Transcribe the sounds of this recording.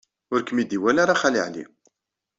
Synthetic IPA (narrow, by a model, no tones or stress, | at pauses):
ʊɾkəmid̪iwælaɾaχalḭʕlḭ